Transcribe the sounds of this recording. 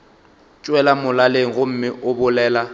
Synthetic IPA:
t͡ʃʼwɛlamʊlaleŋ̩ɣʊm̩mɪʔʊbʊlɛːla

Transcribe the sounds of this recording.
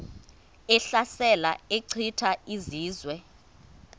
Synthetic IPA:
ɛɬasɛlaeǀʰitʰaiziːzwɛ

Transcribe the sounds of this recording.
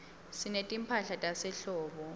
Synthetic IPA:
sinetʼimpʰaɬatʼasɛɬɔːɓɔ

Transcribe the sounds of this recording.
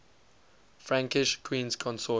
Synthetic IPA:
fɹãŋkɪʃkʰwĩːnzkʰɔ̃nsɔ

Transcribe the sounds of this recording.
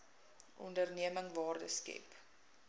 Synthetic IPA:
ʔɔ̰ndərniəməŋvɑːrdəskɛ̰p

